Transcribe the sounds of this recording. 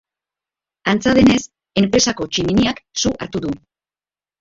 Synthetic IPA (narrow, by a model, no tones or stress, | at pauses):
ant͡saðe̞ne̞s | e̞mpɾe̞sako̞t͡ʃiminiaksuʔa̰ɾt̪uðu